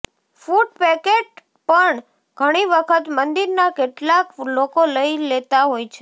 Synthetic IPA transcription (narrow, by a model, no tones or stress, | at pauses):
fuɖpɛkeʈ̚ | pəɳ | ɡ̥ʱəɽ̃iʋəkʰət̪mənd̪iɾnakeʈlaklokoləilet̪aɦojt͡ʃʰe